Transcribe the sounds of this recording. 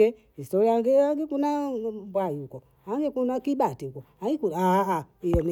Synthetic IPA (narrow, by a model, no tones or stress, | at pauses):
ɛ | istɔɾiaɡɛaŋɡɛkunabwajiukɔ | aŋɡɛkunakiɓatiukɔaikuaaijɔni